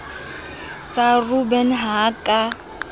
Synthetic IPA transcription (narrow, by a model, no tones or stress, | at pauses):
sarubɛnɦaːkʼa